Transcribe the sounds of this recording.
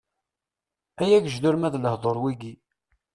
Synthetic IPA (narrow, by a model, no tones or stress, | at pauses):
æjæɡəʒd̪ʊɾmæðləhðˤoɾˤwiɡi